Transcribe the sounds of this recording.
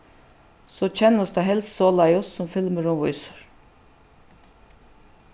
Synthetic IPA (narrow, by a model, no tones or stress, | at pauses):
soːc͡çʰɛnəsd̪ɑɦɛlssoːlɑɪʊssɔmfɪlməɾʊmʋɔʏsə̥ɹ